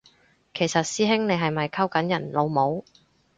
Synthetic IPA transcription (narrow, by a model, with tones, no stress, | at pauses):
kʰe˨˩jsɐ˨t̚siː˥ɦɪ˥ŋne˨˧jɦɐ˨jmɐ˨jkʰɐ˥wkɐ˨˥njɐ˨˩nlo˨˧wmo˨˥w